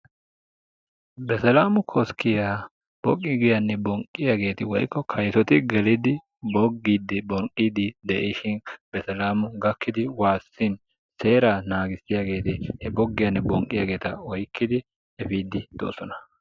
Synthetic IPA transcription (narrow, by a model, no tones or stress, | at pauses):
bɛsɛlaːmʊkʰɔskʰːɪja | b̥ɔkʼːɪɡɪjɐnːɛbɔŋkʼːɪjaɡe̞ːt̪ɪwɔ̰jkːɔkʰɐjsɔt̪ɪɡɛlɪd̪ɪ | bɔɡːid̪ːɪbɔŋkʼːid̪ɪd̪ɛʔɪʃɪnb̥ɛsɐlaːmʊɡɐkːɪd̪ɪwaːsːɪn | se̞ːɾanaːɡɪsːɪjaɡe̞ːt̪ɪhɛbɔɡːɪjɐnːɛbɔŋkʼːɪja̰ːɡe̞ːt̪ɐɔjkːɪd̪ɪ | ɛfiːd̪ɪd̪̥o̰ːsɔnɐ̥